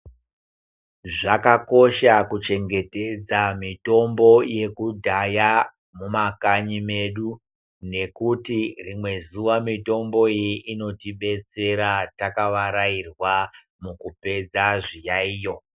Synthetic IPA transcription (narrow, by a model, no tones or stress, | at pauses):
ʐakako̞ʃakut͡ʃe̞ŋɡe̞te̞d͡zamito̞mbo̞je̞kudʱaja | mumakaɲime̞ɗu | ne̞kutirimwe̞zuʋamito̞mbo̞ijiʔino̞tiɓe̞t͡se̞ɾatakaʋaɾairwa | mukupe̞d͡zaʐijaiːjo̞